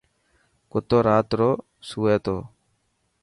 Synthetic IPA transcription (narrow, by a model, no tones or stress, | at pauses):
kʊt̪oːɾaːt̪ɾoː | suːeːt̪oː